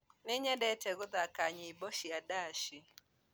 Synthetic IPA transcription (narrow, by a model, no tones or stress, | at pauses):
nɪɲɛdɛtɛɡʊdakaɲɪibɔʃiadaʃi